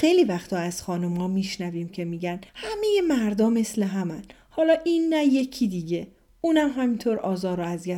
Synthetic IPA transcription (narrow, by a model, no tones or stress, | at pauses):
xe̞jliːvæxt̪ʰɒːæz̥xɒːnumhɒːmiːʃnæviːmcʰe̞miːɟænhæme̞je̞mæɾd̪ɒːme̞sle̞ɦæmæn | hɒːlɒːʔinːæje̞cʰiːd̪iːɟe̞ | uːnæmɦæmint̪ʰoːɾɒːzɒːɾoæzjæ